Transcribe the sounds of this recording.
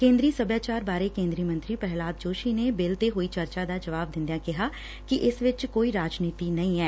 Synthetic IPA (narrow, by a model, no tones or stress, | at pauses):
kẽːnd̪ɾiːsəbjaːt͡ʃaːɾbaːɾeːkẽːnd̪ɾiːmə̃nt̪ɾiːpɛɦlaːd̪̚d͡ʒoːʃiːneːbɪlt̪eːɦoːiːt͡ʃəɾt͡ʃaːd̪aːd͡ʒəʋaːb̚d̪ɪ̃nd̪jãːkɪɦaː | kɪʔɪsʋɪt͡ʃkoːiːɾaːd͡ʒniːt̪iːnəĩːɛː